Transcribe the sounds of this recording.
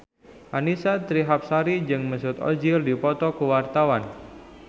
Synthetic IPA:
ʔanisat̪ɾiɦap̚saɾid͡ʒɨŋməsʊt̪o̰d͡ʒɪrdipɔt̪ɔkəwart̪awan

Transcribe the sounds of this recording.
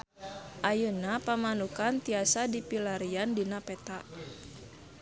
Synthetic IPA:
ʔajunapamanukant̪iasadipilaɾiandinapɛt̪aʔ

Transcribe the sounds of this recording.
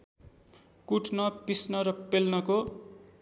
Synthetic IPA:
kuʈnʌpisnʌɾʌpelnʌko

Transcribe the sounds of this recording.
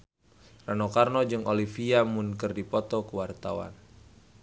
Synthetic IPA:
ranokarnɔd͡ʒɨŋolifiamunkɨrdipɔt̪ɔkəwart̪awa̰n

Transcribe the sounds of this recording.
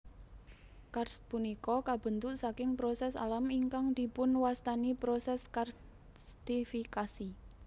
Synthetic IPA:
karspunikɔkab̥ə̤nt̪ʊʔsakɪŋpɾɔsɛsa̰lamiŋkaŋd̪̥i̤pʊnwast̪anipɾɔsɛskar | st̪ifikasi

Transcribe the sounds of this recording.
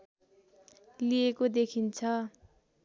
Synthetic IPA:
liekod̪ekʰint͡sʰʌ

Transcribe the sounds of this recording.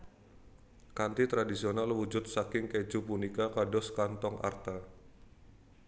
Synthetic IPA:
kant̪it̪ɾadisionalwud͡ʒʊt̪̚sakɪŋked͡ʒupunikakadɔskant̪ɔŋʔa̰rt̪a

